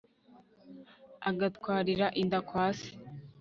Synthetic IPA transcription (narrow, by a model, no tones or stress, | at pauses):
aɡatkwaːɾiɾaʔindakwaːsi̥